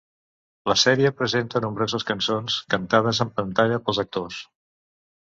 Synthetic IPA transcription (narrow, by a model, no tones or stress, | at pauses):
ləsɛɾiəpɾəzent̪ənumbɾozəskənsonskənt̪að̞əzəmpənt̪aʎəpəlˠzək̚t̪os